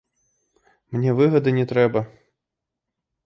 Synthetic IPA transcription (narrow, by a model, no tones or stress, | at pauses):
mnʲɛvɨɣɐd̪ɨnʲɛt̪ɾɛbɐ